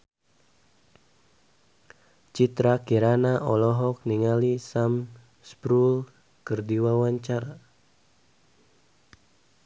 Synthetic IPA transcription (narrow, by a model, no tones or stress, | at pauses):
t͡ʃit̪ɾakiɾanaʔɔlɔɦɔk̚niŋalisam | spɾul | kɨrdiwawaɲt͡ʃaɾa